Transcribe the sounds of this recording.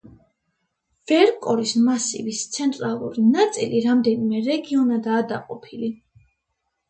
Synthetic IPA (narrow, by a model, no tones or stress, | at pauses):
v̥ɛɾkʼɔɾismasḭvist̪sʰɛnt̪ʼɾalˠṵɾinat̪sʼiliɾamd̪ɛnimɛɾɛɡiɔnad̪aːd̪aqʼɔpʰili